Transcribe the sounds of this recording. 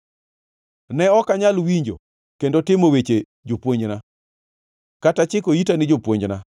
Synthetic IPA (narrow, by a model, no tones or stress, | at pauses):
nɛɔkaɲalwiɲd͡ʒo̰ | kendotɪmowet͡ʃe | d͡ʒopwoɲd͡ʒna | katat͡ʃɪkoitanɪd͡ʒopwoɲd͡ʒna